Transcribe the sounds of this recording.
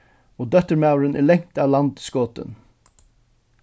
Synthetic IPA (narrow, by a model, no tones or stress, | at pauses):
oːd̪œt̪əɹmɑʉɹənʔæːɭɛŋ̥t̪ɑːʋlɑnd̪skoːt̪ə̰n